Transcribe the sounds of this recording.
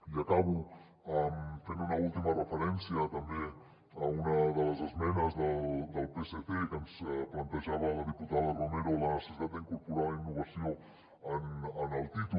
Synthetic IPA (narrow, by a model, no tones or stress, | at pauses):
iakaβu | amfenunəulˠt̪imɐrəfəɾɛnsiət̪əmbe | əunəðələzəzmɛnəzðəd̪əlˠpeseθekənsplant̪əʒaβələðiput̪aðərumeɾolənəsəsit̪at̪d̪əiŋkuɾpuɾainːuβɐsjo | ənənəlˠt̪it̪u